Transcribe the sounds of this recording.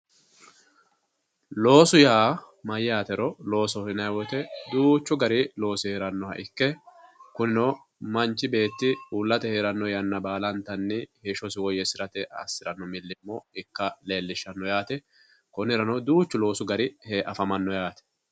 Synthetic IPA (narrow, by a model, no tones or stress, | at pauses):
lo̞ːsʊjaː | mɐjaːt̪ɛɾɔlo̞ːsɔhɪnɐjwɔt̪ɛd̪uːt͡ʃːʊɡɐɾɪlo̞ːsɪheːɾɐnːɔhɐ̰ʔɪkːɛkʊnɪnɔ | mɐnt͡ʃːɪbe̞ːt̪ːɪuːlːɐt̪ɛheːɾɐnːɔjɐnːɐbaːlɐnt̪ɐnːɪhɛʃɔsɪwɔjɛsɪɾɐt̪ɛʔɐ̰sːɪɾɐnːɔmɪlːɪmːɔɪkːɐle̞ːlːɪʃːɐnːɔjaːt̪ɛ | kɔnɪɾɐnɔd̪uːt͡ʃːʊlo̞ːsʊɡɐɾɪheːʔɐfɐmɐnːɔjaːt̪ɛ̥